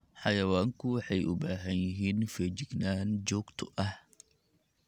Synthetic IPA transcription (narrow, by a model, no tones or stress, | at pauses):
ħɑjɐwaːŋkʰʊwɑħɛjʔʊ̰baːɦɐnjɪɦiːnfɛt͡ʃɪɡnaːnt͡ʃɔːɡt̪ʰʊ̥ʔɐh